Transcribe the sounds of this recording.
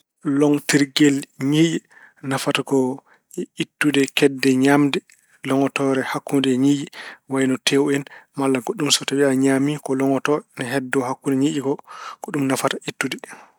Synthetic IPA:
lɔŋtiɾɡelɲiɗi | nafatakɔ | itːudɛkɛdːɛɲamdɛ | lɔŋɔtɔɾɛhakːundɛɲiːʔiwajnɔtʰewɛnmalːaɡoɗːumsɔtabiaɲamikɔlɔŋɔtɔnɛɦɛdːɔhakːundɛɲiɗiɡɔɡ̥oɗumnafataitːudɛ

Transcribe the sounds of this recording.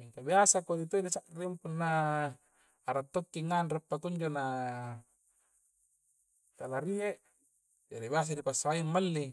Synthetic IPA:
miŋkabiasakodit̪oidisaʔrimpunːa | aɾat̪ːokːiŋːanrapːak̪uɲd͡ʒona | t̪alaɾieʔ | d͡ʒaɾibias̬adipasːaaimːalːi

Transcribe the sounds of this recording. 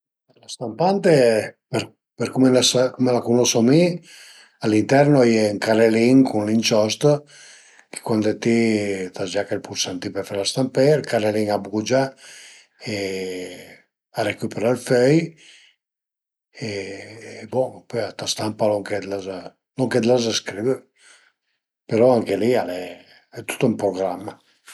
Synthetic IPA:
elast̪ampant̪epeɾ | peɾkumelasakɔmelakunɔsomi | alint̪ɛɾnoɛjɛŋkaɾeliŋkunlint͡ʃɔst̪ | ki̥kwand̪et̪it̪ad͡ʒakelpuɾsant̪ipeɾfaɾlast̪ampeɾkaɾeliŋabɣud͡ʒa | e | aɾekypeɾalfœj | e | bɔpøjat̪ast̪ampaloŋkɛd̪laza | lɔŋkɛd̪lazaskɾivə | peɾɔaŋkelialɛ | ɛt̪u̥t̪ːumpɾoɡɾamːa

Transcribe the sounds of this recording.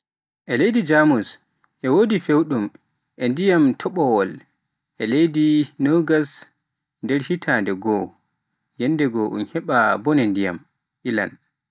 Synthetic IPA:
ʔɛlejdid͡ʒamus | ʔɛwodifewɗum | ʔɛndijamtʰɔɓɔwɔl | ʔɛlejdinoɡas | ndɛɾhitʰandɛɡɔ | jɛnːdɛɡɔʔṵnhɛɓabɔnɛndija̰m | ʔila̰n

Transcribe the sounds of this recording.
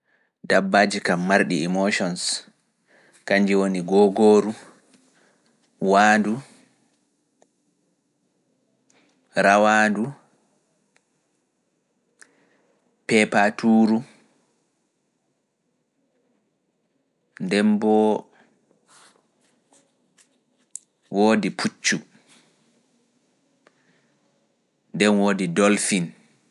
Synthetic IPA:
dabːaːd͡ʒikamːaɾɗḭimoʃɔns | kaɲd͡ʒiwoniɡɔːɡoːɾu | waːdu | ɾawadu | pɛpatʰuːɾu | ndɛmbɔ | woːdipʰut͡ʃːu | ndɛnwoːdidɔlfin

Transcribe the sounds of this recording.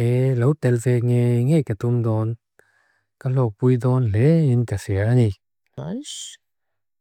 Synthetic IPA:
elowt̪ɛlfeŋeŋekat̪umd̪ɔn | kalɔpujd̪ɔnleinkasiaŋi

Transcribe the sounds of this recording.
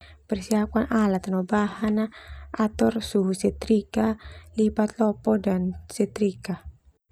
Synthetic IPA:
pərsiakanʔalat̪anɔbahanaat̪ɔrsuɦusɛt̪ɾikalibat̪̚lɔpɔdansɛt̪ɾika

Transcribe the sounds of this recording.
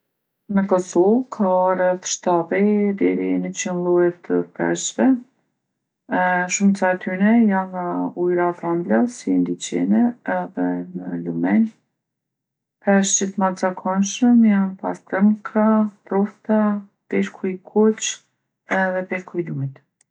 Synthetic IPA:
nəkɔsɔvkʰaːrɛt̪ʃt̪aðid̪ɛɾinət͡ɕinlˠuɛt̪əpɛ̰ʃvɛ | ʃuməsat̪ʰyɾɛjanujɾat̪ɾamblasind̪it͡ɕɛ̰nɛɛðɛnəlumɛn | pɛʃd͡ʒiθmat̪zakʰɔnʃəmjanpast̪əɾŋkʰat̪ɾɔft̪a | pɛɾkʰujkʰut͡ʃ | ɛðɛpɛɾkʰujlumit̪

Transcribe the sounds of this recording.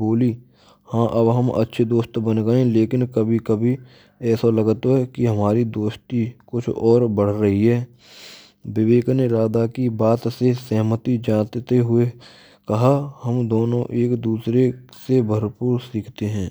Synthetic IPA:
boːli | hãːʔɐbɦɐmʔɐ̰tːʃʰed̪oːst̪bənɡəẽleːkɪnkɐbʱikɐbʱi | ɛːsalɐɡt̪oɦɛkiɦɐmaːɾid̪oːʃt̪ikʊt͡ʃʰɔːɾbəɽ̤ɾɐɦiɦɛː | bɪʋeːkneɾaːd̪akibaːt̪sesɐɦmət̪id͡ʒãːt̪t̪eɦʊe | kɐɦahɐmd̪oːnõ̰ʔeːkd̪uːsɾesebʱɐɾpuːɾsiːkʰt̪eɦɛ̃ː

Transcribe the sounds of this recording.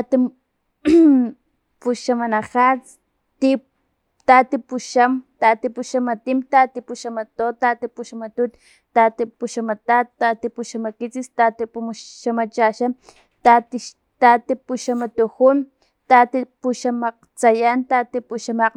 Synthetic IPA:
at̪i | puʃamanaxat͡s | t̪i | t̪at̪ipuʃamt̪at̪ipuʃamat̪imt̪at̪ipuʃamat̪ot̪at̪ipuʃamat̪ut̪ | t̪at̪ipuʃamat̪at̪t̪ːat̪ipuʃamakit͡sist̪at̪ipumʃamat͡ʃaʃam | t̪at̪i | t̪at̪ipuʃamat̪uxun | t̪at̪ipuʃamaq̚t͡sajant̪at̪ipuʃamaq

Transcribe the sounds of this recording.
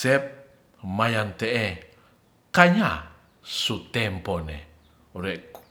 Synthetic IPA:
ɛp̚ | majant̪eʔe | kaɲa | sut̪ɛmponḛ | ɾɛk

